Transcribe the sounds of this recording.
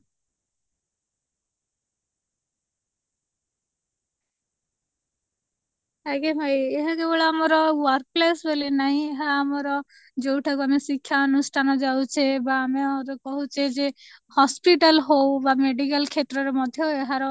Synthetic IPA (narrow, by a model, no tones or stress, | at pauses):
akebʱajeɦɔ̃kebɔɭaamɔɾɔwaɾk̚plesbʱelenaɦĩeɦaamɔɾɔ | d͡ʒowʈʰakuamesikʰːjaɔnusʈʰanɔd͡ʒawt͡ʃʰebaːmeɔɾɔkɔɦut͡ʃʰed͡ʒehɔspiʈalɦowbameɖikalkʰet̪ɾɔɾemɔd̪ʱjɔeɦaɾɔ